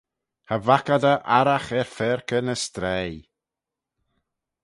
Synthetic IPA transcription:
havakadəʔaɾaxɛɹfɛɹkənəst̪ɾɛj

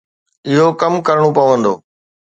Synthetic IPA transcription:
ɪɦokɐmkɐɾɽ̃opɐʋə̃nd̪o̰ː

